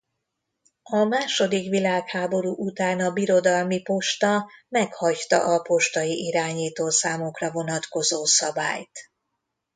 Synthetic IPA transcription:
ɒmaːʃo̞d̪ikʋilaːkhaːbo̞ɾuːʔut̪aːnɒbiɾo̞d̪ɒlmipo̞ʃt̪ɒmɛkhɒct̪ɒ̰ʔɒpo̞ʃt̪ɒjiʔiɾaːɲiːt̪oːsaːmokrɒvo̞nɒt̪ko̞zoːsɒba̰ːjt̪

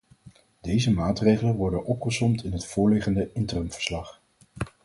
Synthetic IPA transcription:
d̥ejzəmaːtrejχələnʋɔɹdənʔɔpχəsɔmtʰɪnɦətfʊːɹlɪχəndəɪntərəmv̥ə̥ɹslɑχ

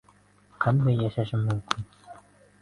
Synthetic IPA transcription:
qænd̪æjːæʃæʃɘmːɵ̆mkʲʰin

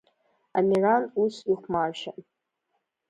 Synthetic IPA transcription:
amiranusiχʷmarʃa

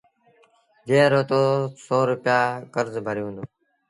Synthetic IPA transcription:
d͡ʒeːɾoːt̪oːsoːɾʊpjaːkəɾzbʱəɾjũːnd̪uː

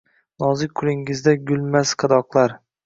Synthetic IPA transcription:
nɒzɪkʲkʰːʊlˠɪŋɪzd̪aɡʲʊlˠmasqʰɨd̪ɒqlˠaɾ

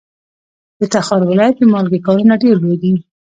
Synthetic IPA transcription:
d̪̥ət̪axɑɾwɪlɑjat̪̚əmɑlɡekɑɾunaɖeɾlodi

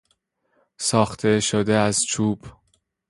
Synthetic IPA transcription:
sɒːxt̪ʰe̞ʃod̪eæzt͡ʃʰuːb̥

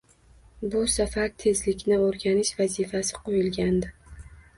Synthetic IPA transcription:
bʊsafaɾt̪ʰe̞zlɪkʲnɪoɾɡʲanɪʃvazifasɪqʰojɪlɡʲand̪ɪ

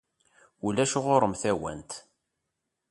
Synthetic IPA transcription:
ulæʃʊʁoɾˤəmθæwæ̰nt̪

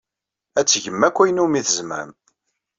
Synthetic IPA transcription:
æt͡sːʝəmːækʷːæjənumiθəzmæ̰m

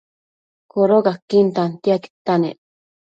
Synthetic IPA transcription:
koɾokakːint̪ant̪iaki̥t̪ːanḛ

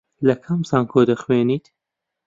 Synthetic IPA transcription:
lɐkʰɐmsaːnkʰoːd̪ɐχweːniːt̪

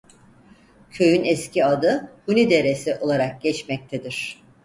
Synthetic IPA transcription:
cʰø̞jynɛscʰiad̪ɯhunid̪e̞ɾesiʔo̞lˠaɾak̚ɟ̥ɛt͡ʃmɛc̚t̪ʰed̪iɾ̥

